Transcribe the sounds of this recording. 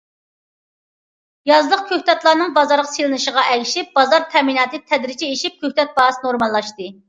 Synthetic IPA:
jɑzlˠəq̚kʲʰøht̪ɛt̪lˠɑɾnɨŋbɑzɑɾʁɑ̥selˠɨnɨʃəʁɑʔɛkʲʃip̚bɑzɑɾt̪ʰɛminɑːt̪ɨt̪ʰɛd̪ɾɪt͡ʃʰieʃip̚kʰʲøht̪ɛt̪̚bɑɦɑsnoɾmɑlˠːɑʃt̪ɨ

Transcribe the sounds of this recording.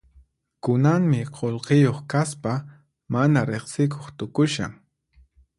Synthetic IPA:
kʊnaŋmɪqolqejoχkaspa | manaɾeχsɪk̬ʰoχt̪ʊkʊʃa̰ŋ

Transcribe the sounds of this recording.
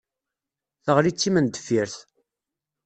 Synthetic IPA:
θəʁlit͡sːimənd̪ə̥fiɾθ

